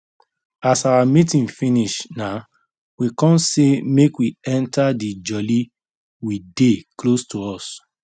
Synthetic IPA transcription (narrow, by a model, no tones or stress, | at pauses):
asawamitĩnfĩniʃna | wikɔ̃nsemekwiɛ̃ntʰadid͡ʒɔli | wideklostʰoɔs